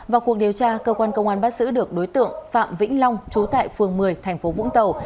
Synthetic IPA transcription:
vaː˨˩wku˨˩ək̚ɗi˨˩əwt͡ɕaː˧kəː˧kwaː˧nkə˧wŋ͡mʔaː˨˦nɓaː˦˥t̚zɨ̰˧˥ɗɨ˨˩ək̚ɗo˨˦jt̪ɨ̰˧˨əŋfa̰ː˧˨mvḭ̈˧˥ŋ̟la˧wŋ͡mt͡ɕu˨˦t̪a̰ː˧˨jfɨ˨˩əŋmɨ˨˩əjt̪ʰɛ˨˩jŋ̟fo˨˦vʊ̰˧˥ŋ͡mt̪ə˨˩w

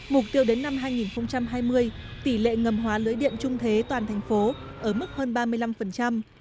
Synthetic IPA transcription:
mʊ˨˩k͡p̚t̪i˧əwɗe˨˦nːa˧mɦaː˧jŋi˨˩nxə˧wŋ͡mt͡ɕa˧mɦaː˧jmɨ˧əj | t̪i˧˩lḛ˧˨ŋə˨˩mɦwaː˨˦lɨ˨˦jɗḭ˧˨əmt͡ɕʊ˧ŋ͡mt̪ʰe˨˦t̪waː˨˩nt̪ʰɛ˨˩ŋ̟fo˨˦ | ʔəː˧˩mɨ˦˥k̚həː˧nɓaː˧mɨ˧əjla˧mfə˨˩nt͡ɕa˧m

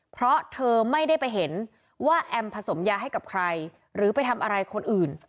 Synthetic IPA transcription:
pʰɾɔ˦˥t̪ʰɤː˧ma˥˩jda˥˩jpa˧jɦe˩˦n | waː˥˩ʔɛ˧mpʰa˧so˩˦mjaː˧ɦa˥˩jka˨˩p̚kʰɾa˧j | ɾɯː˩˦pa˧jt̪ʰa˧mʔa˧ɾa˧jkʰo˧nʔɯː˨˩n

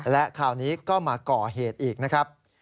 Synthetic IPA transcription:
lɛ˦˥ʔkʰaː˨˩wniː˦˥kɔː˥˩maː˧kɔː˨˩ɦeː˨˩t̪̚ʔiː˨˩k̚na˦˥kʰɾa˦˥p̚

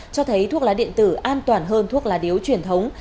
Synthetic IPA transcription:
t͡ɕɔ˧t̪ʰə˨˦jt̪ʰu˦˥ək̚laː˨˦ɗḭ˧˨ənt̪ɨ˧˩ʔaː˧nt̪waː˨˩nɦəː˧nt̪ʰu˦˥ək̚laː˨˩ɗi˨˦əwt͡ɕwi˧˩ənt̪ʰə˨˦wŋ͡m

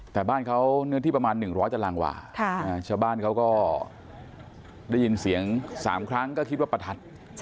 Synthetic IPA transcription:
t̪ɛː˨˩baː˥˩nkʰa˦˥wnɯ˥t̪ʰiː˥˩p̚a˧maː˧nːɯ˨˩ŋɾɔː˦˥jt̪a˧laː˧ŋwa̰ː˨˩kʰa˥˩na˦˥t͡ɕʰaː˥˩wbaː˥˩nkʰa˦˥wkɔː˥˩ | daː˥˩ji˧nsi˨˩˦əŋsa̰ː˩˦mkʰɾa˦˥ŋkɔː˥˩kʰi˦t̪̚waː˥˩pa˧t̪ʰa˨˦˩t̪̚

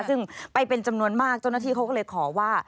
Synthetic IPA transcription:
sɯ˥˩ŋpa˧jpe˧nt͡ɕa˧mnu˧ənmaː˥˩k̚t͡ɕa˥˩wnaː˥˩iː˥˩kʰa˦˥kɔ˥˩lɤː˧jkʰɔː˩˦waː˥˩

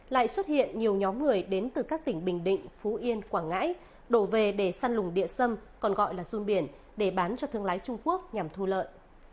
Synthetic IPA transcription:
la̰ː˧˨jswə˦˥t̚hḭ˧˨ənɲi˨˩əwɲɔ˨˦mŋɨ˨˩əjɗe˨˦nt̪ɨ˨˩kaː˦˥k̚t̪ï˧˩ŋ̟ɓï˨˩ŋ̟ɗḭ̈˧˨ŋ̟fu˨˦ʔi˧ənkwaː˧˩ŋa̰ː˧˥j | ɗo˧˩ve˨˩ɗe˧˩saː˧nlʊ˨˩ŋ͡mɗḭ˧˨əsə˧mkɔ˨˩nɣɔ̰˧˨jlaː˨˩zu˧nɓi˧˩ən | ɗe˧˩ɓaː˨˦nt͡ɕɔ˧t̪ʰɨ˧əŋlaː˨˦jt͡ɕʊ˧ŋ͡mku˦˥ək̚ɲa˨˩mt̪ʰu˧lə̰ː˧˨jʔ

